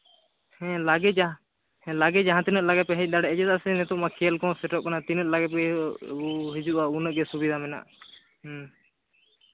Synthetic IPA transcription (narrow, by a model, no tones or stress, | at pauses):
hɛ̃laɡɛ | ɛ̃laɡɛd͡ʒaɦãt̪inət̪̚laɡɛpɛɦɛc̚ˀd̪aɽɛʔɛd͡ʒɛt̪aʔsɛnɛt̪ɔʔmakʰiəlkɔ̃sɛʈɔʔkanat̪inət̪̚laɡɛpɛuɦid͡ʒuʔaunəʔɡɛsubid̪ʱamɛna̰ʔ